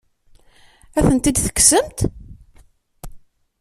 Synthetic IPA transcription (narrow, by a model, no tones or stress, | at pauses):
æθənt̪id̪θə̥kːsəmt̪